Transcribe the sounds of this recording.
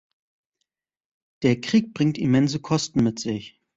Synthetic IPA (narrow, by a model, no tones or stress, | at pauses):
d̥eːɐkʁ̥iːk̚b̥ʁɪŋtimɛnzəkʰɔstn̩mɪtz̥ɪç